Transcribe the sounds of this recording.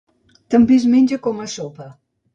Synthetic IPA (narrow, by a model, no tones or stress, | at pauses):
t̪əmbizmenʲd͡ʒəkɔmasopə